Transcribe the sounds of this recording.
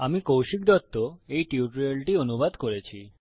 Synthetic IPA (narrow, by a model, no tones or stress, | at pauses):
amikowʃik̚d̪ɔt̪ːoejʈiuʈɾelʈionubad̪koɾet͡ɕʰi